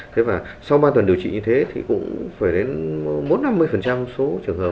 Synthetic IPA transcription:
t̪ʰe˨˦vaː˨˩sa˧wɓaː˧t̪wə˨˩nɗi˨˩əwt͡ɕḭ˧˨ɲɨ˧t̪ʰe˨˦t̪ʰḭ˨˩kʊ̰˧˥ŋ͡mfaː˧˩jɗe˨˦nɓo˨˦˥nːa˧mːɨ˧əjfə˨˩nt͡ɕa˧mso˨˦t͡ɕɨ˧˩əŋɦəː˨˩p̚

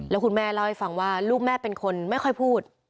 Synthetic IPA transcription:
lɛː˦˥wkʰu˧nmɛː˥˩laː˥˧˩ha˥˩fa˧ŋwaː˥˩luː˥˩k̚mɛː˥˩pe˧nkʰo˧nma˥˩jxʰɔ˥˩jpʰuː˥˩t̪̚

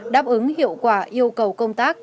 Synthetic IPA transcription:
ɗaː˦˥p̚ʔɨ˨˦ŋɦḭ˧˨əwkwaː˧˩ʔi˧əwkə˨˩wkə˧wŋ͡mt̪aː˦˥k̚

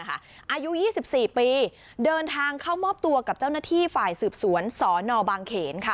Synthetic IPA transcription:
kʰa˥˩ | ʔaː˧ju˦˥ʔjiː˥˩si˨˩p̚siː˨˩piː˧ | dɤː˧nt̪ʰaː˧ŋkʰaː˥˩wmɔː˥˩p̚t̪u˧ɐka˨˩p̚t͡ɕa˥˩wnaː˥˩t̪ʰiː˥˩faː˨˩jsɯː˨˩p̚su˩˦ənsɔː˩˦nɔː˧baː˧ŋkʰeː˩˦nkʰa˥˩

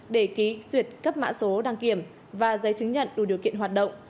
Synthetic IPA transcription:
ɗe˧˩ki˨˦zwi˨˩ət̚kə˦˥p̚ma̰ː˧˥so˨˦ɗaː˧˩ŋki˧˩əm | vaː˨˩zə˨˦jt͡ɕɨ˨˦ŋɲə̰˧˨nɗu˧˩ɗi˨˩əwkḭ˧˨ənɦwaː˨˩t̚ɗə̰˧˨wŋ͡m

